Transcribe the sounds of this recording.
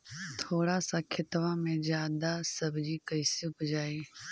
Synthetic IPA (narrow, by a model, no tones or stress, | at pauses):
t̪ʰoːɽasakʰɪt̪ʋãmẽzjaːd̪asɐbʱd͡ʒiːkəɪsijũpəd͡ʒaːiː